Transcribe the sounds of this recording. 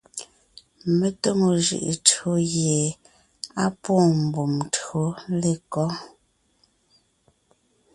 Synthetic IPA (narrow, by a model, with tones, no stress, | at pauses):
me˦to˦ŋo˨ʒɯ̰˨ʔḛ˨tɰo˦ɣje˨ | a˦poː˦˨m̩˨bu˨mtɰo˨˦le˨kɔ˦